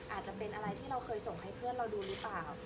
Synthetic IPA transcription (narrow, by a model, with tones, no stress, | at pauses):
ʔʔaː˨˩t̪̚t͡ɕa˨˩pe˧nʔa˧ɾa˧jt̪ʰiː˥˩ɾa˧wkʰɤː˧jso˨˩ŋɦa˥˩jpʰɯ˥˩ənɾa˧wduː˧ɾɯː˦˥plaː˨˩w